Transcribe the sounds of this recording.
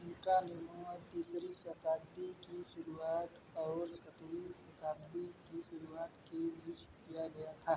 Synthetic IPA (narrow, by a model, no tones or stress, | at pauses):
ʊnkanɪmuəd̪iːsɾisət̪aːb̚d̪ikiʃʊɾuaːt̪ | ɔːɾsɐt̪wisɐk̪aːbd̪ikiʃʊɾuaːt̪kebiːt͡ʃkijaɡɐjat̪ʰaː